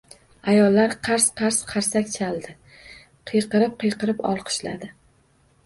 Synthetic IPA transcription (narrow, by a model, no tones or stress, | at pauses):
ajɒlːaɾqʰɑɾsqʰɑɾsqʰɑɾsakʲt͡ʃʰalˠd̪ɪ | qʰɨjqɨɾɪp̚qʰɨjqɨɾɪpɒ̰lˠqʰɨ̥ʃla̰d̪ɪ